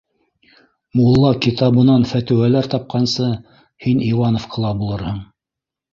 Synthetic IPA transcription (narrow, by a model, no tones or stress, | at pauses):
mulˠːɑkit̪ɑβɤ̆nɑnfæt̪ɘ̆wælæɾt̪ɑp̚qɑnsɤ | hiniwɑnofqʰɤ̆lˠɑbulˠɤɾhɤɴ